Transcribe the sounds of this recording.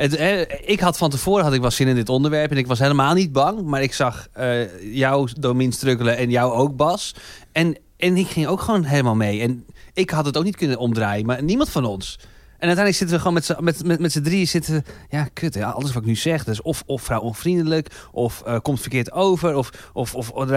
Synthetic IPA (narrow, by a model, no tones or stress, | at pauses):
əɦɛɪkɦɑtfɔntəfoːɾəɦɑtɪkʋɛlˠsɪnəndɪtondəɹʋɛɹpɛnɪkʋɔs̬ɦeləmaːlˠnid̚bɑŋmaɹɪksɑxəjɔwdowminstrøkələɛnjɔwowk̚bɔsɛn | ɛnɪkxɪŋowkxəʋownɦeːləmaːlˠmejɛnɪkhɑtɔtowknit̚kønənɔmdraːjənmaɹnimɑntfɔnɔns | ʔɛnœtɛjndləksɪtəʋəxoːmɛtsəmɛtɛmɛtsədriəsɪtəəjakʰøtɛɔ̰lˠdəsʋɔtɪk̚nysɛxdtɪsɔfɔfrawonfrindələkʔɔfəkɔmtfərkɪətowvəɾɔfʔɔfɔ